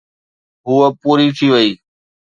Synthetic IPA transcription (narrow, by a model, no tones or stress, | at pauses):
ɦuːəpuːɾiːt̪ʰiːʋəiː